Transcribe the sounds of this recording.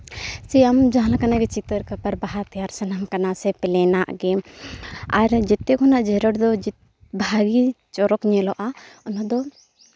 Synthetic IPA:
siamd͡ʒaɦãlakanaɡɛt͡ʃit̪əɾkapaɾbaɦat̪ɛjaɾsənamkanasɛpɛlɛnaʔɡɛ | aɾd͡ʒɛt̪ːɛkʰɔnaʔd͡ʒɛɾəɽd̪ɔd͡ʒit̪ | bʱaɡi | t͡ʃɔɾɔkɲɛlɔʔaɔnɔd̪ɔ

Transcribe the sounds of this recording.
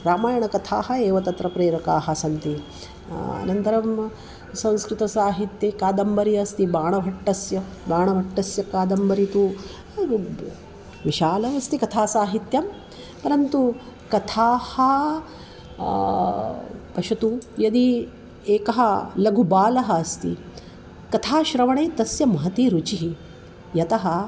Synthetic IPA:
ɾaːmaːjɐɳɐkɐt̪ʰa̰ːɦɐ̆eːʋɐt̪ɐt̪ɾɐpɾeːɾɐkaːɦɐ̆sɐnt̪i | ɐ̰nɐnt̪ɐɾɐm | sɐ̃ñskɾɪt̪ɐsaːɦit̪jekaːd̪ɐmbɐɾiɐst̪ibaːɳɐbʱɐʈːɐsjɐ | baːɳɐbʱɐʈːɐsjɐkaːd̪ɐmbɐɾit̪u | ʋiʃaːlɐʋɐst̪ikɐt̪ʰaːsaːɦit̪jɐm | pɐɾɐnt̪u | kɐt̪ʰaːhɐ | pɐʃut̪ujɐd̪i | eːkɐɦɐlɐɡʱubaːlɐɦɐːst̪ḭ | kɐt̪ʰaːʃɾɐʋɐɳeːt̪ɐsjɐmɐɦɐt̪iɾut͡ʃiɦi | jɐt̪ɐɦɐ

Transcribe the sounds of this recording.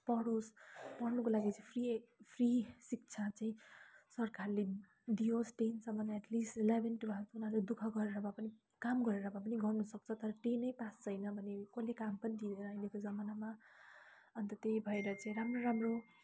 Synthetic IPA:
pʌɽospʌrnukolaɡit͡sʌipʰripʰrisik̚t͡sʰat͡sʌĩsʌrkarle | d̪iosʈensʌmanaɛʈlisʈlabʱenʈubʱat̪unaɾled̪ukʰʌɡʌɾeɾʌmapʌni | kamɡʌɾeɾʌmap̬ʌniɡʌrnʌsʌk̚t͡sʰʌt̪ʌɾʌʈenʌjpast͡sʌjnʌbʱʌnekolekampʌnid̪ideɾʌajdekod͡zʌmanama | ʌnt̪ʌt̪ejbʱʌeɾʌt͡sãĩɾamroɾamro

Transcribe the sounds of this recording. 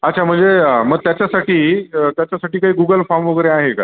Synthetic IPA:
ətːt͡ɕʰam̤əɳd͡zeəməɡ̚t̪jat͡ɕjasaʈiːət̪jat͡ɕjasaʈiːkaɦiːɡuɡəlfamʋəɡɾẽaɦekaɾ

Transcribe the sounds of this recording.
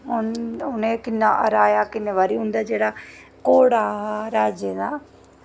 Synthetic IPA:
ɦʊnʊnẽːkɪnːaːʔəɾaːjaːkɪnːeːʋaːɾiːɦʊnd̪aːd͡ʒeːɽaː | koːɽaːɾaːd͡ʒed̪aː

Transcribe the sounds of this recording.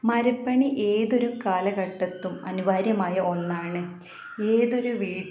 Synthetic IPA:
mɐɾɐpːɐɳiʔeːðo̞ɾukaːlɐɣɐʈːɐt̪ːumɐ̰nubʱaːɾjɐmaːjɐʔo̞nːaːɳɨ | e̞ːðo̞ɾuʋiːɽ

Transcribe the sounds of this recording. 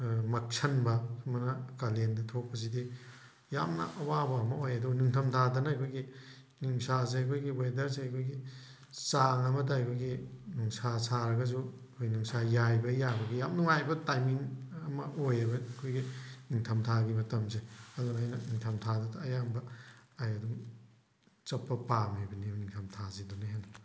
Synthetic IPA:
mɐk̚sʰɐnbɐmɐnɐkalendɐtʰok̚pːɐs̬idi | jamnɐ̰ʔɐwabɐɐmɐojɐdunuŋtʰɐmtʰadɐnɐɐjkʰojɡi | nuŋsazeɐjkʰojɡiwedɐɾseɐjkʰojɡi | saŋɐmɐd̬aajkʰojɡinuŋsasaɾɐɡɐs̬u | kʰojnuŋsajajbɐjabɐɡijamnuŋajbɐtajmiŋɐmɐojɐbɐkʰojɡiniŋtʰɐmtʰaɡimɐtɐmzeɐdunajnɐniŋtʰɐmtʰadɐdɐːjambɐːjɐduŋ | t͡ʃɐpːɐpamejbɐnibniŋtʰɐmtʰazedunɐɦenɐ

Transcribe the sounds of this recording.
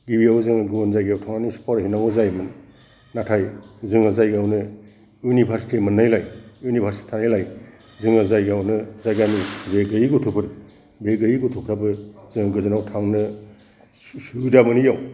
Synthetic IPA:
ɡibijawzɯŋɡuanzajɡijawtʰaŋanisi̥pʰawɾahinaŋozajmɯn | natʰajzɯŋazajɡawnɯ | junibʰʱaɾsi̥timɯnːajlajjunibʰʱaɾsiti̥tʰanajlaj | zɯŋazajɡawnɯzajɡanizeɡɯjiɡutʰupʰɯɾ | beɡɯjiɡutʰupʰɾabɯzɯŋɡɯzanawtʰaŋnɯ | suudamɯnijaw

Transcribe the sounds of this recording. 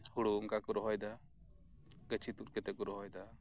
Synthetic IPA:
huɽuuŋkakɔɾɔɦɔjd̪a | ɡət͡ʃʰit̪uɾ̚kɛt̪ɛkɔɾɔɦɔjd̪a

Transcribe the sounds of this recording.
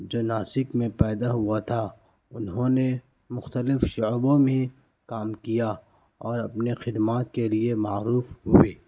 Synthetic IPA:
d͡ʒoːnaːsɪkmẽpɛːd̪aɦuat̪ʰa | ʊnɦõne | mʊxt̪əlɪfʃʊbõmẽ | kaːmkija | ɔːɾɐpnexɪd̪maːt̪̚keliemaːɾuːfɦʊeː

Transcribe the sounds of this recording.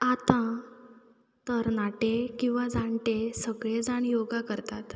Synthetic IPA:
at̪ã | t̪əɾnaʈekĩw̃ʋad͡zaɳʈesəɡɭed͡zaɳjoɡakəɾt̪at̪

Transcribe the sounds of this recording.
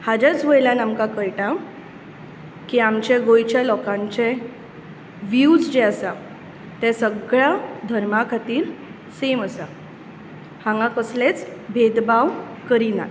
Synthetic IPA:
had͡ʑet͡sʋəjlanamkakəjʈa | kiamt͡ɕeɡojt͡ɕalɔkãɲt͡ɕe | ʋjud͡zd͡ʑeəsa | t̪ɛ̃səɡɭad̪ʱəɾmakʰat̪iːɾ | seməsa | hãŋɡãkəslet͡sbʱed̪baw | kəɾina̰

